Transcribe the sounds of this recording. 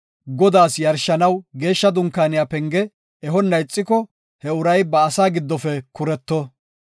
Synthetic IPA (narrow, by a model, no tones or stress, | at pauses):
ɡɔd̪aːsjɐɾʃːɐnɐwɡe̞ːʃːɐd̪ʊŋkːaːnɪjapɛŋɡɛ | ɛɦɔnːɐjt͡sʼːɪkɔ | hɛʊɾɐjbɐːsaːɡɪd̪ːɔfɛkʊɾɛt̪ːɔ